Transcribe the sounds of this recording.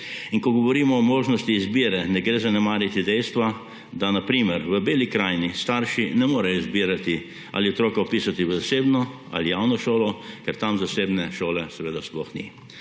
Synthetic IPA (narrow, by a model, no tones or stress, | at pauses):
inkɔɡɔʋɔɾiːmɔːmoːʒnɔst̪iːzbiːɾɛnɛɡɾeːzanɛmaːɾjit̪id̪ɛjst̪ʋa | d̪anapɾiːmɛɾʋəbeːlikɾaːjnist̪aɾʃinɛmoːɾɛjɔizbiːɾat̪i | a̰ːliɔt̪ɾoːkaɔpiːsat̪iʋəzaseːbnɔ | a̰lijawnɔʃoːlɔkɛɾt̪amzaseːbnɛʃoːlɛsɛʋeːd̪asplɔxnḭ